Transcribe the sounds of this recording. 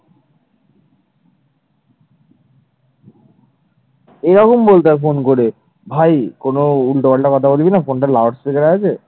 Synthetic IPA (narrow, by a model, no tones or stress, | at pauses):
eɾɔkombolt̪afonkoɾe | bʱajkonoulʈobaɭʈakɔt̪ʰabolbinafonʈaɾlawɖst̪ʰekeɾaat͡ɕʰe